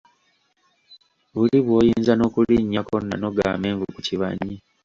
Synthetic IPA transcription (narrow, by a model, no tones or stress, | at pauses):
βuliβwo̞ːjiːnzano̞kuliɲːako̞nːa̰no̞ɡa̰ːme̞ːɱvukuciβa̰ɲːi